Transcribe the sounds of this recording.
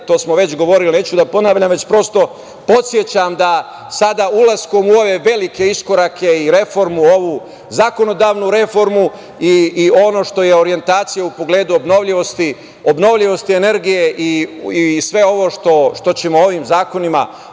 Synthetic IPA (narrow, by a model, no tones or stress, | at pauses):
t̪o̞ːsmoʋe̞t͡ɕɡo̞ʋo̞ɾiline̞ːt͡ɕud̪apo̞naːʋʎamʋe̞t͡ɕpɾo̞st̪o̞ | po̞t̪sje̞t͡ɕamd̪a | sad̪aulasko̞muo̞ʋe̞ʋe̞like̞isko̞ɾakʰe̞iɾe̞fo̞ɾmuo̞ʋu | zako̞no̞d̪aːʋnuɾe̞fo̞ɾmu | iːo̞no̞ʃt̪o̞je̞o̞ɾie̞nt̪aːt̪sijaupo̞ɡle̞ːd̪uo̞bno̞ʋʎiʋo̞st̪i | o̞bno̞ʋʎiʋo̞st̪iene̞ɾɡije̞ʔiisʋe̞o̞ʋo̞ʃt̪o̞ʃt̪o̞t͡ɕe̞mooʋimzaːko̞nima̰